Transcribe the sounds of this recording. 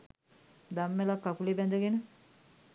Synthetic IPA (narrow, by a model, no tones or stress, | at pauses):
d̪amːelakːakulebɛnd̪əɡenə